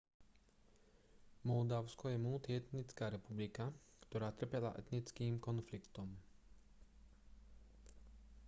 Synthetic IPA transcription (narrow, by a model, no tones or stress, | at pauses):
mɔld̪aʊskɔjɛmuːt̪iɛt̪nit͡skaːɾɛpublika | kt̪ɔɾaːt̪r̩pɛla̰ʔɛt̪nit͡skiːmkɔnflikt̪ɔm